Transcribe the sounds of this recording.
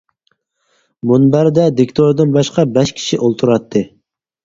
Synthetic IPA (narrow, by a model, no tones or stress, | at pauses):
munbæɾd̪ɛd̪ɪkʲt̪ʰoɾd̪ɨnbɑʃqɑbɛʃkʲʰi̥ʃiʔolˠt̪ʰuɾɑt̪ʰːɨ